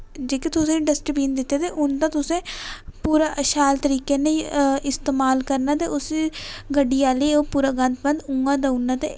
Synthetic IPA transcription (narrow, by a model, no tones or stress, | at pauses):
d͡ʒeːkit̪ʊsẽːɖəsʈəbiːnd̪ɪt̪ːjeːt̪eːʔʊnd̪ãːt̪ʊsẽːpuːɾaːʔəʃaːlt̪əɾiːkeːneĩɪst̪eːmaːlkəɾnaːt̪eːʔʊsiɡəɖiːaːliːoːpuːɾaːɡənt̪bənd̪ʊŋɡãːd̪aunːaːt̪ḛː